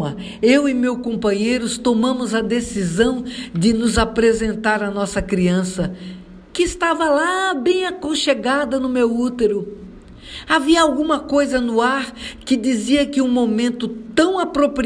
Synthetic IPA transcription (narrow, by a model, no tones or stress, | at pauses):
ɐ | ewɪmewkõmpɐ̃ɲejɾʊst̪omɐ̃mʊzɐd̪esizɐ̃w̃d͡ʒ̪ɪnʊzapɾezẽnt̪aɾɐnɔsɐkɾiɐ̃sɐ | kɪːst̪avɐlabẽj̃akõʃeɡad̪ɐnʊmewut̪eɾʊ | aviɐawɡũmɐkojzɐnʊaɾkɪd͡ʒ̪iziɐkɪũmomẽnt̪ʊt̪ɐ̃w̃apɾopɾi